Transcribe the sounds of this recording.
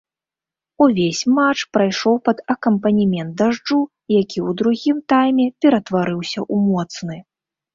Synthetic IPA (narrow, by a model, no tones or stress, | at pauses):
uvʲesʲmat͡ʂpɾajʂɔwpɐd̪ɐkɐmpɐnʲimʲɛnt̪̚d̪aʐd͡ʐu | jakʲiwd̪ɾuɣʲimt̪ajmʲɛpʲɛɾɐt̪vaɾɨwsʲɐʔumɔt̪snɨ